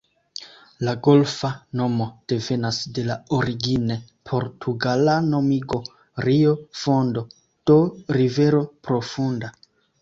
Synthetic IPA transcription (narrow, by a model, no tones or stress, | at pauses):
laɡo̞lfano̞mo̞d̥e̞ve̞nasde̞laoɾiɡine̞pʰo̞ɾtʰuɡalano̞miɡo̞ | ɾiofo̞ndo̞ | d̥o̞ɾive̞ɾo̞pɾo̞funda